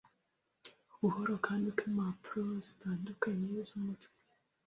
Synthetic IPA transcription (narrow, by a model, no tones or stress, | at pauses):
uhoɾokʰaːndikemapuɾozi̥taːndukaɲezumutwi̥